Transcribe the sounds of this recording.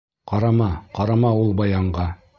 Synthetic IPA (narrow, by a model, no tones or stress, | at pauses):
qɑɾɑmɑqɑɾɑmɑulˠbɑjɑɴɢɑ